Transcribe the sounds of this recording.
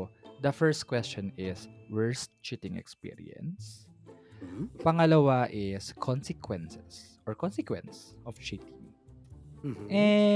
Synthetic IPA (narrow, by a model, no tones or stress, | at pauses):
d̪ɐfɛɹst̪̚kwɛst͡ʃɔnɪswɛɹst̪t͡ʃɪt̪ɪ̃ŋɛ̰kspḭɹḭɛ̰̃ns | pɐŋɐlɐwaʔɪskʰɔnsɛkʰwɛnsɛs | ʔɔɹkɔnsɛkwɛ̰̃nsʔɔft͡ʃɪt̪ɪŋ | ʔɛ